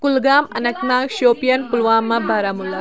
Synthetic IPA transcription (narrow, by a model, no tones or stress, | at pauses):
kulɡaːmɐnɐknaːkʃoːpijɐnpulʋaːmːɐbʱaɾamulːɐ